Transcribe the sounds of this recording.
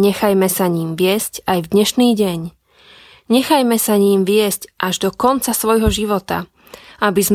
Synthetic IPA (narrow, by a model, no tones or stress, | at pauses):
ɲɛxajmɛsaɲiːmʋɪɛscajvd̪ɲɛʃniːɟɛɲ | ɲɛxajmɛsaɲiːmʋɪɛscʔaʒd̪ɔkɔnt͡sasʋɔjɦɔʒiʋɔt̪a̰ | abizm